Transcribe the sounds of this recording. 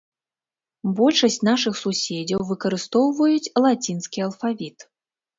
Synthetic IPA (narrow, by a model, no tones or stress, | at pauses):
bɔlʲʂɐsʲt͡sʲnaʂɨxsusʲed͡zʲɐwvɨkɐɾɨst̪ɔwvɐjut͡sʲlˠat͡sʲinskʲiɐlˠfavʲit̪